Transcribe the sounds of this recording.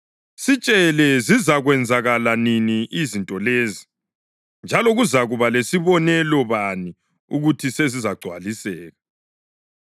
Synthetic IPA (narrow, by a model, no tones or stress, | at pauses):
sit͡ʃʼɛlɛzizaɣwɛnd͡zʱaɣalaniniʔizintʼɔleːzi | nd͡ʒʱalɔɣuzaɣuβalesiβɔnɛlɔβani | ṵɣutʰisezizaɡ͡ǀʱwa̰lisɛːɣa